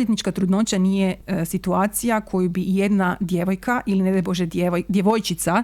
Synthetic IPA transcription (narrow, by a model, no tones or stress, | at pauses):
jet̪nit͡ʃkat̪ɾud̪no̞t͡ɕanijesit̪uaːt̪sijakʰo̞jubije̞d̪nad̪je̞ʋo̞jkʰaʔilined̪ɛboʒeed̪jeʋo̞jt͡ʃit̪sa